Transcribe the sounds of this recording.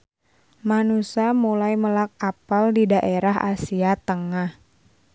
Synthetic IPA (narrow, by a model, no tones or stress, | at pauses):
manusamulajməlak̚apaldidaʔeɾaɦa̰siat̪əŋah